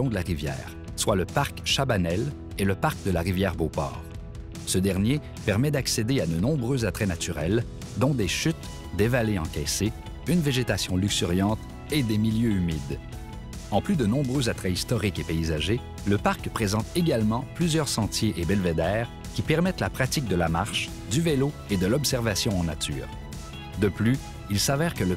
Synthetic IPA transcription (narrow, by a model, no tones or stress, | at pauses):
ɔ̃d̪əlaʁivjɛ̰ːʁ | swaləpaʁkʃabanɛl | eləpaʁkd̪əlaʁivjɛːʁbopɔ̰ːʁ | səd̪ɛʁnje | pɛʁmɛd̪aksed̪ead̪ənɔ̃bʁøzat̪χɛnat̪yʁɛl | d̪ɔ̃d̪eʃyt̪ | d̪evaleɑ̰̃kʲɛse | ynveʒet̪asjɔ̃lyksyʁjɑ̃t̪ | ed̪emiljøymid̪ | ɑ̃plyd̪ənɔ̃bʁøzat̪χɛist̪ɔʁikepeizaʒe | ləpaʁkpχezɑ̃t̪eɡalmɑ̃plyzjœʁsɑ̃t̪jeʔebɛlved̪ɛːʁ | kʲipɛʁmɛt̪lapχat̪ik̚d̪əlama̰ʁʃ | d̪yveloed̪əlɔpsɛʁvasjɔ̃ɑ̃na̰t̪ʰy̰ːʁ | d̪əply | ilsavɛʁkələ